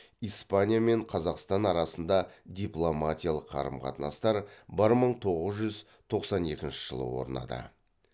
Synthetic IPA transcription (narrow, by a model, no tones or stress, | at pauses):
ijspanʲijame̞ɴqʰɑzɑqst̪ɑnɑɾɑsənd̪ɑd̪ʲijplˠomatʲijalˠəqʰːɑ̰ɾəmqʰɑ̰t̪nɑ̰st̪ɑɾbəɾməɴt̪ʰo̞ʁəzʒʏz | t̪ʰo̞qsɑne̞kʲɪnʃɪ̥ʒ̥ə̰lˠə̰wo̞̰ɾənɑ̰d̪ə̰